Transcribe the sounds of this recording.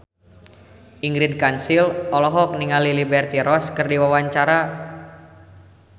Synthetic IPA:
ʔiŋɡɾid̚kansilɔlɔɦɔk̚niŋalilibɛrt̪iɾɔskərdiwawaɲt͡ʃaɾa

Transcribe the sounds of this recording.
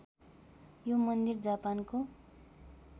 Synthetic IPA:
jomʌnd̪ird͡zapanko

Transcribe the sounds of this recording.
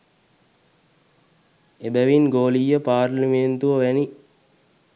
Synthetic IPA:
ebæʋinɡoːlijːəpaːrlimeːnt̪uʋəʋæni

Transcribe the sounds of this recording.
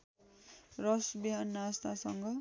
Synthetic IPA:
rʌsbiɦanːʌast̪ʰasʌŋɡʌ

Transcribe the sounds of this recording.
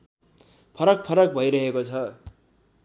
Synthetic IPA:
pʰʌɾʌk̚pʰʌɾʌk̚bʱʌjɾʌɦekot͡sʰʌ

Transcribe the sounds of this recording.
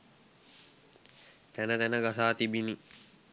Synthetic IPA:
t̪ænət̪ænəɡasaːt̪ibini

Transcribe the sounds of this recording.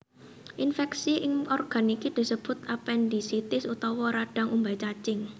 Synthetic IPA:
ʔinfɛksiʔɪŋɔrɡ̥a̤nikid̪̥i̤səb̥ʊ̤t̪apɛnd̪isit̪ɪsut̪ɔwɔɾaɖ̥a̤ŋumbajt͡ʃat͡ʃɪŋ

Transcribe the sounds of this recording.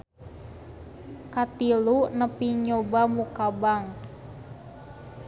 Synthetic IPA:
kat̪ilunəpiɲobamukabaŋ

